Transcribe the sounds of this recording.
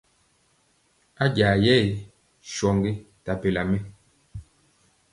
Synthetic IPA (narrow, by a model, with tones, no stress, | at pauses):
a˦ɟa˨jɛ˦˨ | ʃɔ˨ŋɡi˦ | ta˨pe˨la˨mɛ˦